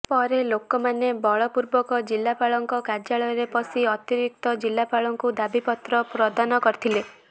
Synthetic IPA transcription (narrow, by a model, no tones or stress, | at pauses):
pɔɾelokɔmanebɔɭɔpuɾbɔkɔd͡ʒilːapaɭɔŋkɔkaɾd͡ʒaɭɔjɔɾepɔsiɔt̪iɾik̚t̪ɔd͡ʒilːapaɭɔŋkud̪abipɔt̪ɾɔpɾɔd̪anɔkɔɾit̪ʰile